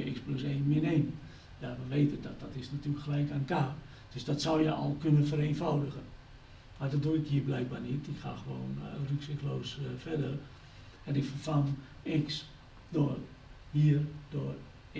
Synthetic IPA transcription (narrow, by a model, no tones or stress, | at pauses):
əɪkspluseːnmɪneːmə | jaʋəʋeːtədɔdɔtɪsnatyələkxəlɛjkaːnəkaː | d̥øsdɔtsɔwjə̰ʔɔ̰lˠkønənfəɾeːnfɔwdəɣən | madɔt̚duɪkhiːəblɛjk̚barnitɪkxa̰xəʋoːnrøksɪkəloːsfɛdər | ɛndɪkfəfan | ɪks | doər | hiərdoər